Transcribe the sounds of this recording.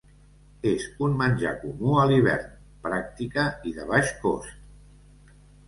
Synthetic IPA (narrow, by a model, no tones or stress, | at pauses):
ezunmənʲʒa̰kumuəliβ̞ɛ̰ɾn | pɾak̚t̪ikəiðəβ̞aʃko̰st̪